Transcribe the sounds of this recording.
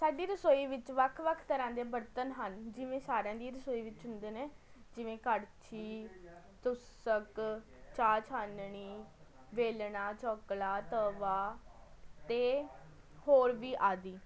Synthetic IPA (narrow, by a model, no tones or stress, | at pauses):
saːɖiːɾəsoːiːʋɪt͡ʃʋəkʰʋəkʰt̪əɾãːd̪eːbəɾt̪ənɦənd͡ʒɪʋẽːsaːɾejãːd̪iːɾəsoːiːʋɪt͡ʃɦʊ̃nd̪eːneː | d͡ʒɪʋẽːkəɾt͡ʃʰiː | t̪ʊs | ək | t͡ʃaːt͡ʃʰaːnɳ̃iː | ʋeːlɳaːt͡ʃɔːklaːt̪əːʋaː | t̪eː | hoːɾʋiːʔaːd̪iː